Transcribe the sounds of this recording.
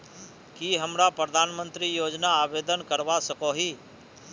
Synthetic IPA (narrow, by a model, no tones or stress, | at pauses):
kiɦəmɾapɾəd̪ʱaːnmə̃nt̪ɾijoːd͡ʒnaːʋeːd̪ənkəɾʋasəkoɦiː